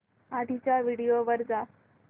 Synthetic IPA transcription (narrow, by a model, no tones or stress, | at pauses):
ad̪ʱit͡ɕjaʋiɽijoʋəɾd͡za